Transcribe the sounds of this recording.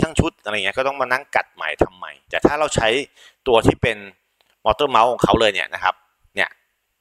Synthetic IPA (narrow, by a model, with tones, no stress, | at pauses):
t̪ʰa˥˩ŋt͡ɕʰu˦˥t̪̚ʔa˧ɾŋi˦˥kːt̪ɔ˥˩ŋmaː˧na˥˩ŋka̰˨˩t̪̚ma̰˨˩jt̪ʰa˧mːa̰˨˧˩jt̪ɛː˨˩t̪ʰaː˥˩ɾa˧wt͡ɕʰa˦˥j | t̪u˧ɐt̪ʰiː˥˩pe˧n | mɔː˧˥t̪ɤː˥˩ma˦˥wkʰɔː˨˩˦kʰa˦˥wlɤː˧jnḭ˥˩ɐna˦˥kʰa˦˥p̚ | ni˥˩ɐ